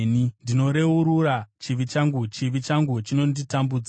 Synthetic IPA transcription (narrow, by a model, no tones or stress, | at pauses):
nindino̞ɾe̞uɾurat͡ʃiʋit͡ʃaŋɡut͡ʃiʋit͡ʃaŋɡut͡ʃino̞nditambud͡z